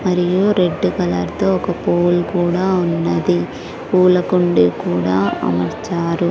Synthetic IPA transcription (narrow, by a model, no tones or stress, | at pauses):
mɐɾijuɾe̞ɖːukɐlɐːɾt̪oːɔkɐpoːlkuːɽaːunːɐd̪i | uːlɐkuɳɖekuːɽa̰ːɐ̰mɐɾt͡ʃaːɾu